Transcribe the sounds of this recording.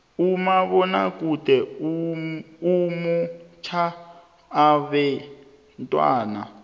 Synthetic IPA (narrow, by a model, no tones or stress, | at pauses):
umaβɔna̰kʼutʼɛu | umut͡ʃʰaː | βɛ | ntʼwa̰ːna̰